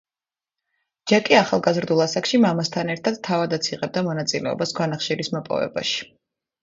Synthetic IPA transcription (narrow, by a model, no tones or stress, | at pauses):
d͡ʒakʼiaχalˠɡazɾd̪ulˠasakʃimamast̪ʰanɛɾt̪ʰad̪̥t̪ʰavad̪at̪sʰiʁʼɛb̚d̪amɔnat̪sʼilɛɔ̰basɡwanaχʃiɾismɔpʼɔ̰vɛ̰ba̰ʃi̥